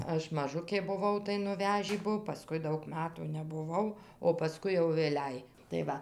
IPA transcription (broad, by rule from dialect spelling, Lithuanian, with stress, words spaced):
ˈɐʃ mɐˈʒʊkʲeː bʊˈʋɐʊ tɐɪ nʊˈʋʲæːʒʲiː ˈbuɔ pɐˈskʊɪ ˈdɐʊk ˈmɑːtuː nʲɛbʊˈʋɐʊ oː pɐˈskʊɪ jɛʊ ʋʲeːˈlʲɛɪ tɐɪ ˈʋɐ